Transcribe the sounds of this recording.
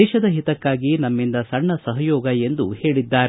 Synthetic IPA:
ɛːʃɐd̪ɐɦit̪ɐkːaːɡinɐmːind̪ɐsɐɳːɐsɐɦɐjɔːɡɐe̞nd̪uhe̞ːɭid̪ːaːɾ

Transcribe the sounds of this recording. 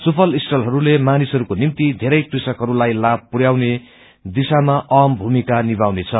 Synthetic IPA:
supʰʌlisʈʌlɦʌɾulemanisɦʌɾukonimt̪id̪ʱeɾʌjprisʌkɦʌɾulajlab̚puɾjawne | d̪isamaʔʌmbʱumikanibawnet͡sʰʌ

